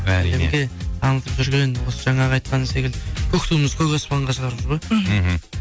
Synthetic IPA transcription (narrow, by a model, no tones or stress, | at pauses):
æiemɡʲe̞t̪ʰɑnənət̪əpʒʏɾɡʲe̞nwosəʒɑɴɑqʰɑjt̪̚qɑnəse̞kʲɪld̪kʰɵkt̪umɪzkʲʰɵjɡʲespʰɑlˠəɴʁɑʃəʁɑɾəməzʁoj